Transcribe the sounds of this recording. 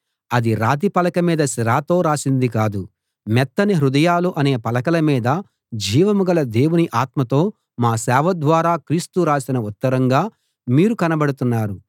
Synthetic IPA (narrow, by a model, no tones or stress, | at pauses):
ɐd̪iɾaːt̪ipɐlɐkɐmiːd̪ɐsiɾaːt̪o̞ːɾaːsind̪ikaːd̪u | mɛt̪ːɐniɦɾud̪ɐjaːluʔɐne̞ːpɐlɐkɐlɐmiːd̪ɐ | d͡ʒiːʋɐmuɡɐlɐd̪e̞ːwuniʔaːt̪mɐt̪o̞ː | maːsɛːʋɐd̪ʋaːɾaːkɾiːst̪uɾaːsinɐut̪ːɐɾɐŋɡaː | miːɾukɐnɐbɐɽut̪unːaːɾu